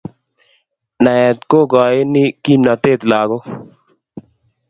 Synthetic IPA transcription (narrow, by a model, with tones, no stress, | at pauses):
na˨jɛ˨t̪ko˦ɡɔ˨je˦ni˦ki˦mna˨t̪eː˦t̪laː˨ɡo˦